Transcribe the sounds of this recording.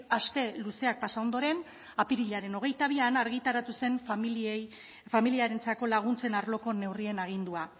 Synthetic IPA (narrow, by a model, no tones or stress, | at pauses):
aske̞luse̞ak̚pasao̞nd̪o̞ɾe̞n | apiɾiʎaɾe̞no̞ɣ̞e̞jt̪aβ̞ianaɾɣit̪aɾat̪use̞nfie | familiaɾe̞nt͡sako̞laɣ̞unt͡se̞naɾlo̞ko̞ne̞wrie̞naɣ̞ind̪ua